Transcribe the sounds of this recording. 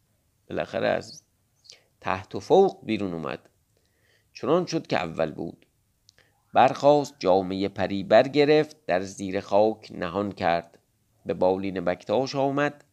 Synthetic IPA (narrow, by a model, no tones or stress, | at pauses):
b̥elæ̰xæ̰ɾḛæ̰z | t̪ʰæ̰ht̪ʰofowqbiːɾuːnuːmæ̰d̪̥ | t͡ʃʰonɒnʃod̪kʲeʔæ̰vːæ̰lbṵːd̪̥ | bæɾxɒːst̪̚d͡ʒɒːmejepʰæɾiːbæɾɟe̞ɾe̞ft̪̚d̪æɾziːɾe̞xɒːkʰnʔæɦɒnkʰæɾd̪̥ | be̞bɒːliːnebækt̪ʰɒːʃɒːmæd̪̥